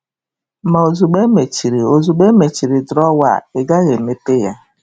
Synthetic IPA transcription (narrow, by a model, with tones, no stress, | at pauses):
ma˨o˨zu˨ɡ͡be˦me˨t͡ʃi˨ɾi˨o˨zu˨ɡ͡be˦me˨t͡ʃi˨ɾi˨dɾɔ˦wa̰˨e˨ɡa˦ɣe˨me˦te˦ja̰˦